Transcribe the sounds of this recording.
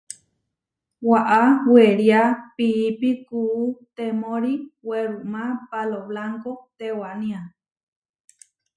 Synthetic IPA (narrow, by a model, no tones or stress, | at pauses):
waʔaweɾiapiːpikuːt̪emõɾiweɾumãpaloβlaŋkot̪ewanĩa